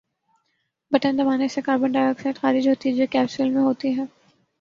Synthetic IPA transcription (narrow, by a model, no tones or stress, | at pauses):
bɐʈənd̪ɐmaːnesekaːɾbəɳɖaːɪɾəksɛːʈxaːɾɪd͡ʒɦoːt̪iɛd͡ʒoːkɛːpsɪlmẽɦoːt̪iɦɛː